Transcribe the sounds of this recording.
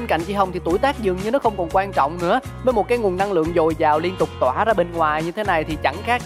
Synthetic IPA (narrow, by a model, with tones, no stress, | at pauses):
e˧nka̰˧˨jŋ̟t͡ɕi˧ɦə˧wŋ͡mt̪ʰi˨˩t̪u˧˩jt̪aː˦˥k̚zɨ̰˨ŋɲɨ˧nɔ˨˦xə˧wŋ͡mkɔ˨˩nkwaː˧nt͡ɕɔ̰˧˨wŋ͡mnɨ̰˧˥ə | vəː˨˦jmo˨˩t̚kaː˨˦jŋu˨˩ənːa˧ŋlɨ̰˧˨əŋzo˨˩jzaː˨˩wli˧ənt̪ʊ˨˩k͡p̚t̪waː˧˩zaː˧ɓe˧nŋwaː˨˩jɲɨ˧t̪ʰe˨˦na˨˩jt̪ʰi˨˩t͡ɕa˧˩ŋxaː˦˥k̚